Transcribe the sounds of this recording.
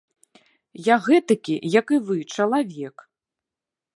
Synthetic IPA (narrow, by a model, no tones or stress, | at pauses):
jaɣɛt̪ɐkʲḭjɐkɨvɨt͡ʂɐlˠavʲɛk